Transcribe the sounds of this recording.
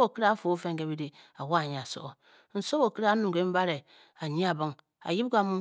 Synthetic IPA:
bo˨ki˦ɾa˦fo˨˦fe˦ŋɡe˨bi˦ɾi˦a˨wa˦˨ɲ˨a˨so̰˦ʔo˨ | n̩˨so˦bo˨ki˦ɾa˦nu˨ɡe˦m̩˦ba˦ɾe˨ | a˨ɲi˦a˨bə˦ŋ | a̰˨ji˦bɡa˦mu˦

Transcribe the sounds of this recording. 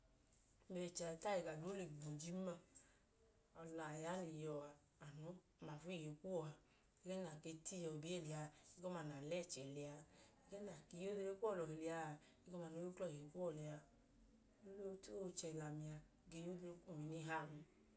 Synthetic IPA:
me˨t͡ʃa˨˧ta˦ji˨ɡa˨do˨˦li˨ɡ͡bo˨d͡ʒi˦ma˧ | ɔ˨la˨ja˨˦li˨jɔ˨aː˨ | no˨˦˨ma˨fu˦i˦˨jo˨ku˦ɔ˨a˨ | ɛ˧˦ɡɛ˦na˨ke˧ti˦jɔ˧˨bi˦e˦˨li˨a˧˨i˧˦ɡɔ˦ma˧˨n˨a˨lɛ˦˨t͡ʃɛ˨lɛ˧a˧ɛ˧ɡɛ˦na˨ke˨˧˦jo˦de˧ɾe˦kʷu˦ɔ˦˨lɔ˨e˨li˨a˧˨ | i˦kɔ˦ma˧˨no˨˦u˦klɔ˦˨i˨o˨ku˦ɔ˨lɛ˨a˧ | o˦lo˦ti˦o˦˧˨t͡ʃɛ˧˨la˨mi˧a˧ | ɡe˧˨jo˦de˧˦e˦ku˦˨mi˨˦ni˧˦ɦa˦˨mi˧

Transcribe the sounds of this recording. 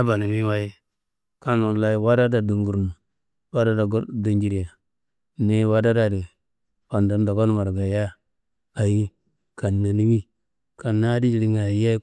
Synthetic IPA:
a˦ba˨ni˨mi˦wa˦ji˦ | ka˦no˨la˦i˦wa˦da˦da˨du˨ŋɡu˨ɾn˨ | wa˦da˦da˨ɡdu˦nd͡ʒi˨ɾi˨ja˨ | ne˦wa˦da˦da˨di˨ | pa˨nda˨n˦da˨ɡo˦n˦ma˨ɾɡa˨ja˦ | a˨ji˦ | ka˨nːa˨ni˦mi˦ | ka˨nːa˦di˦d͡ʒi˨ɾi˨ŋa˨˦ja˦

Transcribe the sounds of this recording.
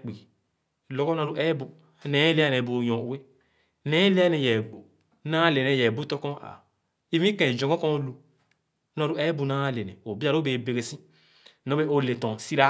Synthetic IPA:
k͡pi˨ | lɔ˨˦kɔ˦na˨˧ɾu˦ʔɛ˦bu˨ | nɛ˨˦le˦a˦nɛ˨bu˨jɔ̃˨u˦we˦ | nɛ˨˦le˦a˦nɛ˨jɛ˨ɡ͡bo˨ | nã˦le˨nɛ˨jɛ˨bu˦tɔ˦kɔ̃˦a̰˨ | i˦vĩ˦kɛ̃˨d͡ʒɔ̃˨ɡɔ̃˦kɔ̃˦lu˨ | nɔ˨˧ɾu˦ɛ˦bu˨nã˦le˨nɛ˨o˨bi˦a˨ɾo˦be˨be˨ɡe˨sĩ˦ | no˦be˦o˨le˨tɔ̃˨si˦ɾa˦

